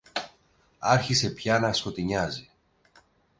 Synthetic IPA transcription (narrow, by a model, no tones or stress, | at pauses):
ɐɾçise̞pçɐnɐsko̞t̪iɲɐzi